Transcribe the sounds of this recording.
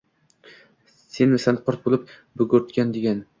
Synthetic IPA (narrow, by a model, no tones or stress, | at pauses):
senmɪsanqʰɒɾt̪̚bolˠɪp̚ | bɵɡɵɾt̪kʲand̪eɡʲan